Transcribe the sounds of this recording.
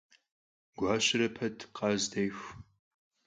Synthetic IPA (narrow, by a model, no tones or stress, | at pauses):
ɡ̥ʷɑːɕɪɾɐpʰɐtʰqɑːzdɐjxʷ